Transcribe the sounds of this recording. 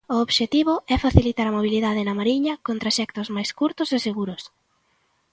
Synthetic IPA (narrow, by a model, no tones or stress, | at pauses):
ʊoβʃet̪iβ̞ʊɛfaθilit̪aɾɐmoβ̞iliðaðɪnɐmaɾiɲɐkont̪ɾaʃɛk̚t̪ʊzmajskuɾt̪ʊseseɣuɾʊs